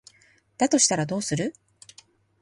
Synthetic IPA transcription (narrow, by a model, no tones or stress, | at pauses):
d̪̥at̪o̞ɕi̥t̪aɾad̪o̞ːsɨɾɯ̟